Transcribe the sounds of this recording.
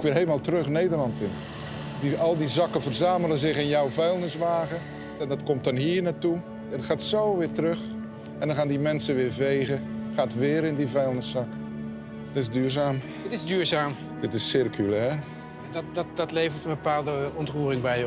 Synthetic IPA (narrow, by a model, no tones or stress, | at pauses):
kʋɪɾɦelˠəmalˠtrɵχnejdərlɑntɪn | diɑlˠdizɑkəvərzaːməlˠəzɪχɪnjɔwvɛjlˠnɪsʋaːɣə | ɛndɑtkɔmt̚dɑnɦiːrnatu | tχaːtsowʋɪːtərɵχ | ɛ̃ndɔnχaːndimɛnsəʋɪːɹvejɣəχaːtʋɪːɾɪndivɛjlˠnɪsːɑkə | ɪzdyːɹzaːm | tɪzdyːɹzaːm | d̥ɪtɪsːɪrkʰylɛːr | dtdtdɑtlejvəɹtənbəpaːlˠdəɔntruːrɪŋbɛj